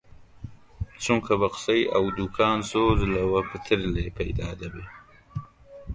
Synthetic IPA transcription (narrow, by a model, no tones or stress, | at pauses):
t͡suŋkabaqsajawd̪ʊkʰɑːnzozlawapət̪ʰəɾlepajd̪ɑd̪abe